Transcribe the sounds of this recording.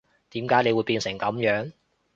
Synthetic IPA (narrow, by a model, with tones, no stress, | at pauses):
t̪iː˨˥mkaː˨˥jle˨˧jwuː˨˧jpiː˧nsɪ˨˩ŋkɐ˨˥mjœː˨˥ŋ